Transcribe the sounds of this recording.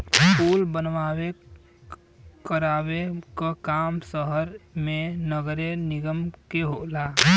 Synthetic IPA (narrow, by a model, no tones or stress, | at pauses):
pulbənʋabe | kəɾabekəkamsəɦəɾmenəɡɾeniɡəmkeɦola